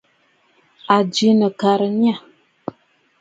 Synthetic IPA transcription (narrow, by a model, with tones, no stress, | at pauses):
a˨d͡ʒi˨˦nə˨ka˨ɾə˨ɲ˦a˦˨